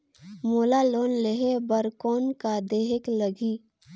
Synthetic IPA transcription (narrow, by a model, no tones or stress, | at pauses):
moːlaloːnleɦebəɾkoːnkad̪eːɦɪkləɡiː